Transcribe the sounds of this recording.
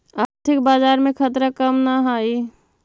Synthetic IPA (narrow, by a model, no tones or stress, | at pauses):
əɾt̪ʰik̚bad͡ʒaɾmekʰət̪ɾəkəmnaɦai